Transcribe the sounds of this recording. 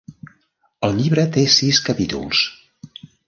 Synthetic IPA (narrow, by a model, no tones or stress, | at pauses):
əlˠʎiβɾət̪esiskəpit̪ṵlˠs